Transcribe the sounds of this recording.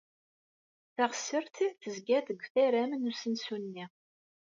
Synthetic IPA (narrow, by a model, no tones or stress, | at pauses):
θæʁəsːəɾθiθəzɡæθəɡʷːθæɾæmnusənsunːi